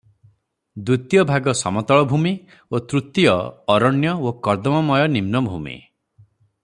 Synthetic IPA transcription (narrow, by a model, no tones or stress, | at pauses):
d̪ut̪jɔbʱaɡɔsɔmɔt̪ɔɭɔbʱumi | ot̪ɾut̪ijɔɔɾɔɳjɔokɔɾd̪ɔmɔmɔjɔnimnɔbʱṵmḭ